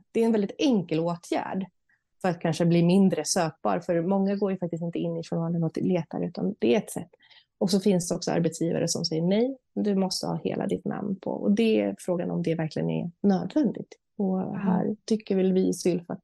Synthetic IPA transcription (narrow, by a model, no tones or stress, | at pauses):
d̪̥ɛɾɛnvɛld̪ɪt̪ɛŋkəloːt̪ʰjæ̰ːɖ | fœɾat̪̚kʰanʂəbliːmɪnd̪ɾəsøːk̚b̥ɑ̰ːɾfœɾmɔŋːaɡoːɾjɵfak̚t̪ɪst̪ɪnt̪əɪnːɪfɔmɑːlənɔt̪leːt̪a̰ɾəʉ̟ːt̪and̪̥ɛɾɛt̪sɛ̰t̪ː | ɔksɔfɪnsd̪ɛɔksɔa̰ɾbɛt̪sjiːva̰ɾəsɔmsɛjːəɳɛj | d̪ɵmɔst̪əhɑ̰ːhḛːlʔa̰d̪ɪt̪nʔa̰mnpʰɔ̰ʔɔ̰d̪ɛfɾoːɡanɔ̰md̪ɛvæɾklɪɡənɛ̰nøːd̪vɛnd̪ɪɡ̚t̪ | ɔɦæ̰ːɾt̪ʏkːəɾvɪlvɪsʏlfat̪